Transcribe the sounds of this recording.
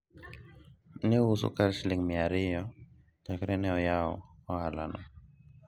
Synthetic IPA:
niusṵkalʃliŋmiaɾijɔ | takɾɛnɛɔjaɔ̰hɔhalanɔ

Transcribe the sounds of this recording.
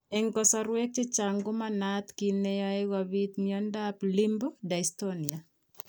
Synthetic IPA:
ɛŋkɔsaɾwɛk̚tit͡ʃaŋɡʊmanat̪kinejaeɣaβit̪ŋiɔndaplimbɔdaistɔnia

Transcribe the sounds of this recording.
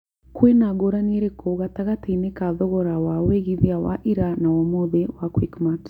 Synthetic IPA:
kwenaɡoɾanieɾekʰoɣataɣatinekaðɔɣɔɾawaweɣiðiawa̰ʔiɾanawamoðewakwikmat

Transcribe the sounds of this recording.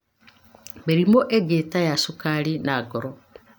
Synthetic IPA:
meɾimoʔeɡetajasukaɾinaːɡɔɾɔ

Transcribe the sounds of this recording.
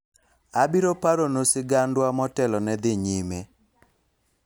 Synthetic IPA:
abiɾopaɾonosɪɡandwamɔtɛlɔnɛd̪ɪɲime

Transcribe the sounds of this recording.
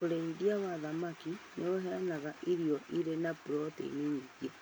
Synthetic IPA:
oɾeidiawaðamakinʔeoɦɛanaɣaʔiɾiɔʔiɾenapuɾɔtḛniɲiɣia

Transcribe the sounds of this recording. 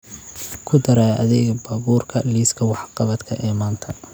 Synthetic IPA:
kʰʊd̪ɐɾaːɐ̰ðɛːɡbaːβuːrkʰɐliːskʰɐwɑħqɑβɐt̪kʰɐʔɛːmaːnt̪ʰɐ

